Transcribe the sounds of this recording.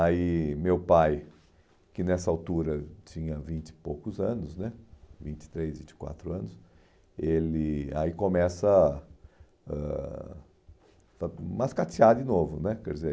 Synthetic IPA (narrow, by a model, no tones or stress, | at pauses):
aimewpaj | kɪnɛsɐawt̪uɾɐt͡ʃĩɲɐvĩnt͡ʃ̪ɪ̥powkʊzɐ̃nʊsnɛvĩt͡ʃɪ̥t̪ɾezvĩt͡ʃɪ̥kwa̰t̪ɾʊɐ̃nʊs | elɪa̰ikomɛsɐ | ɛ̰ | famaskat͡ʃiad̪ɪnovʊnɛkɛɾʊd̪ɪze